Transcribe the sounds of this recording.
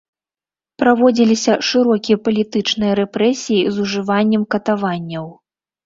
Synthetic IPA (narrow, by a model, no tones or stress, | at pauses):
pɾavɔd͡zʲilʲisʲɐʂɨɾɔkʲijɐpɐlʲit̪ɨt͡ʂnɨjɐɾɛpɾɛsʲijizuʐɨvanʲːɛmkɐt̪avanʲːɐw